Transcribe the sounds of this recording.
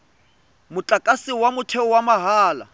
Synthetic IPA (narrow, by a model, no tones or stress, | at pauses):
mʊt͡ɬʼakʼasɪwamʊtʰɛwamaɦaːla̰